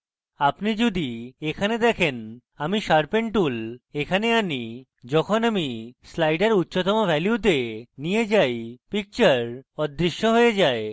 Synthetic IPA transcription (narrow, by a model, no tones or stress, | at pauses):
apnid͡ʑud̪iekʰaned̪ɛkʰen | amiʃaɾpeɳʈʈulekʰaneani | d͡ʑɔkʰonamislajɖeɾutːɕot̪ɔmobʱɛljut̪̬enijed͡ʑajpik̚t͡ɕaɾɔd̪ːɾiʃːoɦojed͡ʑae